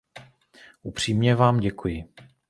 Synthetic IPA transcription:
ʔupr̝̥iːmɲɛvaːmɟɛkujɪ

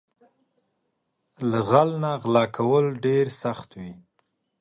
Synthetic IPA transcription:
laɣalnaɣlɑkʰawəlɖeɾsaxt̪wi

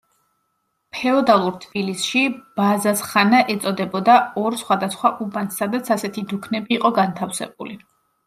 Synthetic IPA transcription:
pʰɛɔd̪alˠuɾt̪ʰb̥ilisʃib̥azasχanaʔɛt̪sʼɔd̪ɛbɔd̪aɔɾsχwad̪asχwaʔubanssad̪at̪sʰasɛt̪ʰid̪ukʰnɛbiːqʼɔɡant̪ʰafsɛ̰b̚ṵli

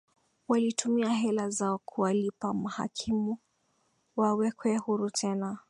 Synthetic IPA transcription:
walitumiaɦɛlazaɔkʰuwalipamaha̰kʰimu | wawɛkwɛhuɾutʰɛna

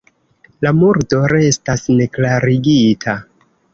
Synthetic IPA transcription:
lamuɾdo̞ɾe̞stasne̞klaɾiɡitʰa

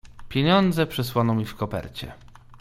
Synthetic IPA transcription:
pʲjeɲɔnd̪zɛpʂɛswanɔmʲifkɔpɛ̰ɾt͡ɕɛ̰

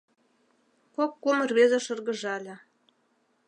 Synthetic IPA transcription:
kokːumə̆rβezĕʃɤ̆rɣɤ̆ʒɑlʲĕ

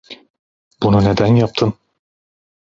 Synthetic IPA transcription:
bununed̪ænjɑp̚t̪ʰɯn

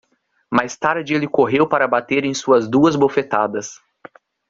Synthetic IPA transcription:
majst̪aɾd͡ʒelɪkoɦewpaɾɐbat̪eɾẽj̃suɐzd̪uɐzbofet̪ad̪ɐs

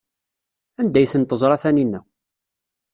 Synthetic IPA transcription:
ænd̪æjθənt̪əzˤɾˤɑθæninːæ

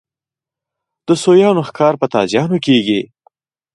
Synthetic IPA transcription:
d̪̥əsojɑnoxkɑɾpət̪ɑ̰zjɑnokeɡi

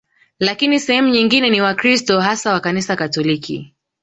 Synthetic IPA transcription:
lakinisɛhɛmuɲiŋɡinɛniwakɾistɔɦasawakanisakatɔlikḭ

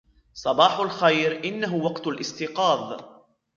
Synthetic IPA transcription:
sˤɑbɑːħʊlxajɾʔɪnːaɦʊwɑqt̪alʔɪst̪ɪqɑːðˤ

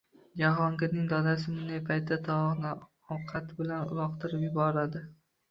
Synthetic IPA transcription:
d͡ʒaɦɒŋkʲɪnɪŋd̪ɒd̪as̬ɪmʊnd̪ejpʰajt̪ʰːat̪ʰɒɒχnɪ | ɒwqʰat̪ʰɪbɪlanʊ̰lˠɒqt̪ʰɪɾɪpjʊbɒɾad̪ɪ

